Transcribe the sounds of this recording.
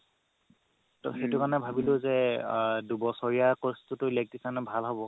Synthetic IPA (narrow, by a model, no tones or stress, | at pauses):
tɔ̰xetukanɛbʱabilʊzɛdubɔsɔɹijakɔstutʊilek̚tisanɔbʱalɦɔbɔ